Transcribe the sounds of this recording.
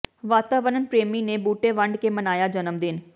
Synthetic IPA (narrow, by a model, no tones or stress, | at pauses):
ʋaːt̪aːʋəɾənpɾeːmiːneːbuːʈeːʋəɳɖkeːmənaːjaːd͡ʒənəmd̪ɪn